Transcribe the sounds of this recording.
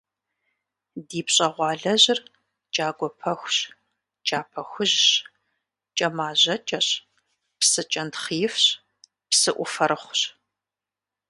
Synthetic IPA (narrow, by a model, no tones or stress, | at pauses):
diːpɕʼɐʁʷɑːɮɐʑɪr | t͡ʃʼaːɡʷɔpʰɐxʷɕ | t͡ʃʼaːpʰɐxʷʊʑɕ | t͡ʃʼɐmaːʑɐt͡ʃʼɐɕ | psɨt͡ʃʼɐntχijɪfɕ | psɨʔʷʊfɐɾɨχʷɕ